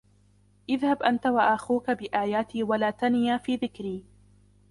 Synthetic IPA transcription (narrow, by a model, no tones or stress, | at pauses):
ʔɪðhabʔant̪awaʔaxuːkabɪʔaːjaːt̪iːwalaːt̪anɪjaːfiːðɪkɾiː